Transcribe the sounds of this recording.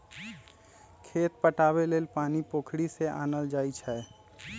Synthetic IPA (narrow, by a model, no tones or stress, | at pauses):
kʰeːt̪pəʈaːbeleːlpaːnipoːkʰɽiseʔa̰ːnəld͡ʒaːit͡ʃʰɛ